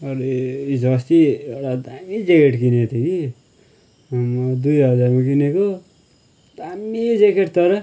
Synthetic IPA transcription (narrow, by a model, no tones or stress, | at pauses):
ʌɾisʌst̪iewʈad̪amid͡zekeʈkinet̪ʰeki | mʌd̪ujɦʌd͡zaɾmakineko | d̪amid͡zekeʈt̪ʌɾʌ